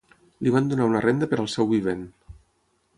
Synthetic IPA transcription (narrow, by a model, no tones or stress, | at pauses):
liβand̪unaunərʔend̪əpəɾəlˠsɛwβiβ̞en